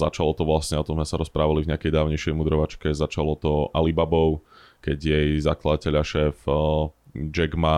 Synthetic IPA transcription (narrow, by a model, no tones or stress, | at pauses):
za̰t͡ʃalɔt̪ɔʋlasɲɛɔt̪ɔmzmɛsaɾɔspɾaːʋalivɲɪakɛjd̪aːʊɲɛjʃjɛjmud̪ɾɔʋat͡ʃkɛzat͡ʃalɔt̪ɔʔalibabɔʊ | kɛɟjɛjzaklad̪acɛʎaʃɛːf | d͡ʒɛɡma